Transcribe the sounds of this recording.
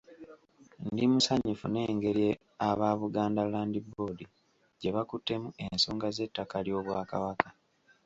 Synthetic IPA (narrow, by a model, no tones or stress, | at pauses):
ndimusaɲːifṵne̞ːŋɡe̞ɾje | aβaːβuɡaːndalaːndibo̞di | ɟe̞βakutːe̞mue̞nso̞ːŋɡaze̞tːakaljo̞ːβwaːka̰βakḁ